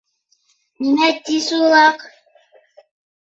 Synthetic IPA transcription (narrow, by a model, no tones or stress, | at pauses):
ninæt̪ːisulɑq